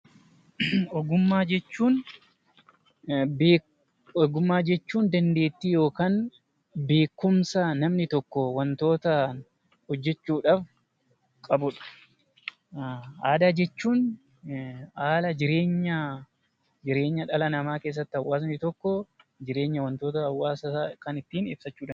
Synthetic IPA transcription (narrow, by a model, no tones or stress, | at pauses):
ɔɡʊmːaːd͡ʒɛt͡ʃːuːn | beː | ɔɡʊmːaːd͡ʒɛt͡ʃːuːnd̪ɐnd̪e̞ːt̪ːiːjo̞ːkaːn | be̞ːkːʊmsɐnɐmnɪt̪ɔkːɔwɐnt̪o̞ːt̪ɐ | hɔd͡ʒːɛt͡ʃːuːᶑaːf | kʼɐbʊᶑɐ̥ | aːd̪aːd͡ʒɛt͡ʃːuːn | aːlɐd͡ʒɪɾe̞ːɲːɐ | d͡ʒɪɾe̞ːɲːɐᶑɐlɐnɐmaːkeːs̬ːɐt̪ːɪɐwːaːs̬nɪt̪ɔkːɔd͡ʒɪɾe̞ːɲːɐwɐnt̪o̞ːt̪ɐɐwːaːsɐakɐnɪt̪ːiːnɪbsɐt͡ʃːuːᶑa